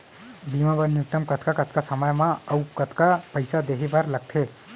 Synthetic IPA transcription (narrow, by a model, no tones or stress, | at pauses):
bimãbəɾnuk̚ʈəmkɐt̪ʰkakɐt̪̚ʰkasəməjmãɐwkət̪ʰkapəjsad̪eɦibaɾlɐɡ̚t̪ʰeː